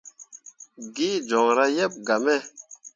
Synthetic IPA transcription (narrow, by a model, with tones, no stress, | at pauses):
ɡi˦d͡ʒɔ˨ŋɾa˦jɛ˦p̚ɡa˨mɛ˦˨